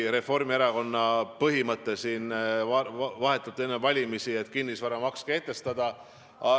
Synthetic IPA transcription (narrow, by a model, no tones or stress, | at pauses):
ɾe̞fo̞rmie̞ɾɑko̞nːɑpɤɦimɤt̪ˑːesiːnɑvɑɦe̞t̪ːˑut̪ːˑenːevɑlʲimisie̞t̪ːˑkinːisvɑɾɑmɑkskeet̪ːˑe̞st̪ɑd̪̥ɑ | ɑ